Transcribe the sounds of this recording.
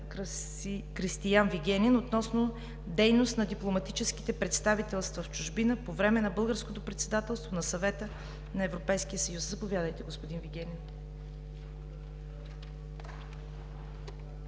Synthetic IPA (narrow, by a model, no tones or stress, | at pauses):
kɾist̪ijanviɡɛnʲɛnot̪nɔsnʊ | d̪ɛjnost̪nɐd̪iplˠomɐt̪it͡ʃɛski̥t̪ɛpɾɛt̪st̪avit̪ɛlˠst̪vɐft͡ʃʊʒbinəpovɾɛmɛnɐbɤlˠɡəɾskot̪opɾɛt̪sɛd̪at̪ɛlˠst̪vonɐsɐvɛt̪ə | nɐɛvɾopɛjskijəsɐjuszɐpovʲjad̪əjt̪ɛɡospod̪inviɡʲɛnɛn